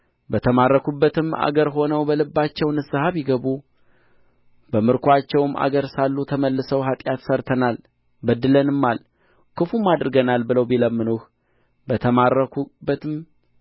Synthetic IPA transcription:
bət̪ʰəmarːəkubːət̪ɨma̰ɡəɾɦo̞nəwbəlɨbːat͡ʃːɛwnɨsɨhaβjɪɡəβu | bəmɨɾkʷʰwat͡ʃːɛwma̰ɡəɾsalːut̪ʰəməlːɨsəwɦat̪ʼjat̪səɾt̪ʰənal | bəd̪ːɨlənɨmːal | kʰɨfumːad̪ɾɨɡənalbɨləwbiləmːɨnuh | bət̪ʰəmarəkʰubːət̪ʰɨm

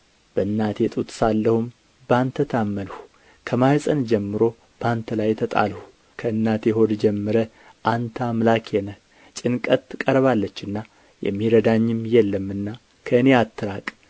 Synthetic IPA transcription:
b̥əɨnːat̪jɛt̪ʼut̪ʼsalːəhum | bəant̪ʰət̪ʰamːənhu̥ | kʰəmajsʼənd͡ʒɛmːɨɾo̞ | b̥əant̪ʰəlajt̪ʰət̪ʼa̰lhu | kʰəɨnːat̪jɛɦo̞d̪d͡ʒɛmːɨɾə | ʔant̪ʰamlakʰjɛnə | t͡ʃʼɪnkʼət̪kʼəɾβalːət͡ʃːɨnːa | jɛ̰mːiɾəd̪aɲːɪmjɛlːəmːɨnːa | kʰəɨne̞at̪ʰːɨɾakʼ

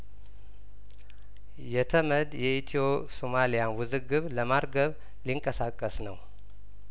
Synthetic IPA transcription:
jɛt̪ʰəməd̪jɛʔit̪ʰiopʼsomalijanwʊzɨɡɨβləmaɾɡəβ | liŋkʼəsakʼːəsnəw

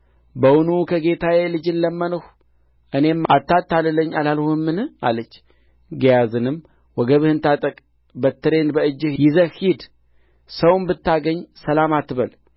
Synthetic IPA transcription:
bəwʊnukʰəɡe̞t̪ʰawelɨd͡ʒɨnləmːənəh | ʔɨne̞mat̪ːat̪ːalləɲːalalhuɨmːɨnɨa̰lət͡ʃː | ɡəjazɨnɨm | wɔɡəβɨhɨnt̪at̪ʼəkʼ | bət̪ːɨɾe̞nbəɨd͡ʒːɨhjɪzəhhid̪ | səwmbɨt̪ːaɡəɲːsəlamat̪ːβəl

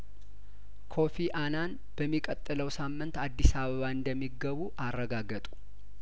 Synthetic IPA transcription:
kʰo̞fiʔanan | b̥əmːikʼət̪ʼːɨləwsamːɨnt̪ad̪ːisaβəβaɨnd̪əmːiɡəβuʔarːəɡaɡət̪ʼu̥

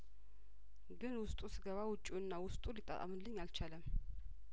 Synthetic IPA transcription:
ɡɨnwʊst̪ʼusɨɡəβawʊt͡ʃʼːuɨnːawʊst̪ʼulɨt̪ʼːa̰t̪ʼa̰mɨnlːɨɲːalt͡ʃʰaləm

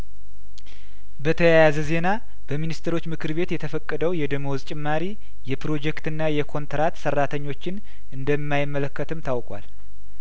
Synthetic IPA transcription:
bət̪ʰəjajazəze̞na | b̥əminist̪ʰəɾo̞t͡ʃːmɨkʰɨɾβe̞t̪jɛt̪ʰəfəkʼːəd̪əwjɛd̪ɨmozt͡ʃʼɪmːaɾi | jɛpɾo̞d͡ʒɛkt̪ɨnːajɛkʰo̞nt̪ɾat̪sərːat̪ʰəɲːo̞t͡ʃːɪn | ɨnd̪əmːajɪmːələkːət̪ʰɨmt̪ʰawkʼwa̰l

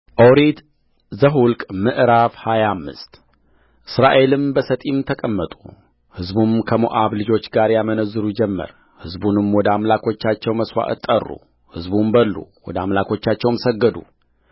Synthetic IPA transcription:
ʔowɾed̪ | zəɦulkʼmɨʔɾafhajamːɨ̰st̪ | ʔɨsɾaʔe̞lɨmbəsət̪ʼimt̪ʰəkʼəmːət̪ʼu | hɨzbumkʰəmo̰ʔaβlɨd͡ʒo̞t͡ʃːɡaɾjamənəzːɨɾud͡ʒɛmːə̰ɾ | hɨzbunɨmwɔd̪əamlakʰo̞t͡ʃːat͡ʃːɛwməswa̰ʔɨt̪ʼːə̰rːṵ | hɨzbumbəlːṵwɔd̪əamlakʰo̞t͡ʃːat͡ʃːɛwmsəɡːəd̪u

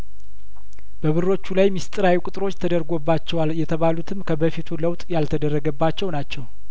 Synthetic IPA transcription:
b̥əβɨrːo̞t͡ʃːulajmist̪ʼɨɾajukʼʊt̪ʼɨɾo̞t͡ʃːt̪ʰəd̪əɾɡo̞bːat͡ʃːɛwaljɛt̪ʰəβalut̪ʰɨmkʰəbəfit̪ʰuləwt̪ʼjalt̪ʰəd̪ərːəɡəbːat͡ʃːɛwnat͡ʃːɛw

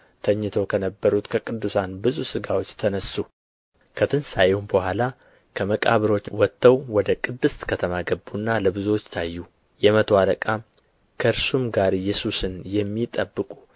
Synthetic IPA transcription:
t̪ʰəɲːɨt̪ʰokʰənəbːəɾut̪kʰəkʼɨd̪ːusanbɨzusɨɡawo̞t͡ʃːt̪ʰənəsːu | kʰət̪ʰɨnsajɪhumbəhʷala | kʰəməkʼa̰βɨɾo̞t͡ʃːwɔt̪ːəwwɔd̪əkʼɨd̪ːɨst̪kʰət̪ʰəmaɡəbːunːaləbɨzot͡ʃːt̪ʰajːu | jɛmət̪ʰwaləkʼam | kʰəɨɾsumɡaɾɪjːɛsusɨnjɛmːit̪ʼəbːɨkʼu

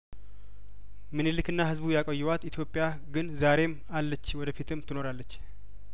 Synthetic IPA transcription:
mɨnelɨkɨnːahɨzbujakʼɔjːɛwat̪it̪ʰjo̞pʼːja | ɡɨnzaɾe̞m | alːət͡ʃːwɔd̪əfit̪ʰɨmt̪ʰɨno̞ɾalːət͡ʃː

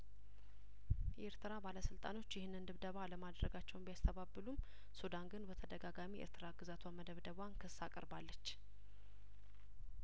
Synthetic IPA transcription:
jʔeɾt̪ʰɨɾabaləsɨlt̪ʼa̰no̞t͡ʃːjɪhɨnːɨnd̪ɨβd̪əβaləmad̪ɾəɡat͡ʃːɛwnbijast̪ʰəβabːɨlum | sud̪anɡɨnbət̪ʰəd̪əɡaɡamiʔḛɾt̪ʰɨɾaɡɨzat̪ʰwaməd̪əβd̪əβankʰɨsːakʼə̰ɾbalːət͡ʃː

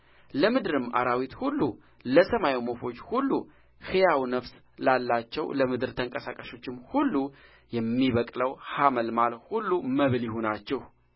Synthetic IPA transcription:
ləmɨd̪ɨɾɨma̰ɾawit̪hulːu | ləsəmajmo̞fo̞t͡ʃːhulːu | hɨjawnəfs | lalːat͡ʃːɛwləmɨd̪ɨɾt̪ʰəŋkʼəsakʼəʃo̞t͡ʃːɪmhulːu | jɛmːiβəkʼləwhaməlmalhulːuməβɨljɪho̞nat͡ʃːɛh

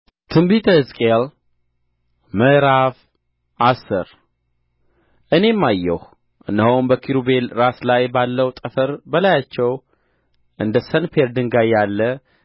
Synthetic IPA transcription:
t̪ʰɨmbit̪ʰəɨzkʼel | məɾaf | ʔasɨ̰ɾ | ʔɨne̞mːajːɛh | ʔɨ̰nːəɦombəkʰiɾube̞lɾaslajbalːəwt̪ʼəfəɾbəlajat͡ʃːɛw | ʔɨnd̪əsənfeɾd̪ɨŋɡajːalːə

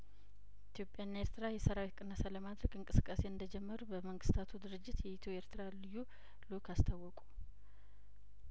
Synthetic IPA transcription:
it̪ʰjo̞pʼjanːe̞ɾt̪ʰɨɾajɛsəɾawit̪kʼɨnːəsaləmad̪ɾəkʼɨŋkʼɨsɨ̥kʼːase̞ɨnd̪əd͡ʒɛmːəɾubəməŋɡɨst̪ʰat̪ʰud̪ɨɾɨd͡ʒːɪt̪jɛit̪ʰoe̞ɾt̪ʰɨɾalɨjːu | lukʰast̪ʰawːɔkʼu

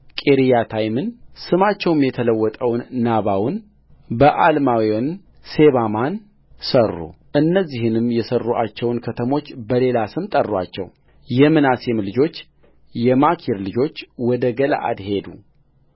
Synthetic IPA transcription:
kʼeɾijat̪ʰajmɨnsɨmat͡ʃːɛwɨmjɛt̪ʰələwːɔt̪ʼəwnːaβawn | bəʔalmawion | se̞βaman | sərːṵ | ʔɨnːəzːihɨnɨmːjɛsərːuʔa̰t͡ʃːɛwnkʰət̪ʰəmo̞t͡ʃːbəle̞lasɨmt̪ʼərːwa̰t͡ʃːɛ̰w | jɛmɨnasemlɨd͡ʒo̞t͡ʃː | jɛmakʰiɾlɨd͡ʒo̞t͡ʃːwɔd̪əɡəla̰ʔa̰d̪he̞d̪u

